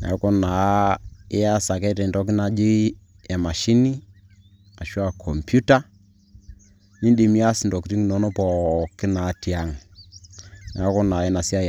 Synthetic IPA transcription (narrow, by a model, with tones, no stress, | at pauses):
na̰˨˦kɔ˦na˨ | ɪ˦a˦sa˨kɛ˦tɛ˨ndɔ˦k̬ɪ˦na˨˦d͡ʒi˦ | ɛ˨ma˨ʃi˦ni˦ | a˨ʃwa˨kʰɔ˨mpju˦ta˦ | ni˦ndi˨mi˦a˦sɪ˨ndɔ˨kti˦ŋ˦nɔ˦nɔ˦pɔ˨kɪ˦na˨˦ti˨a˦ŋ | na˨˦kɔ˦naː˨ɛ˦na˨si˦a˦˨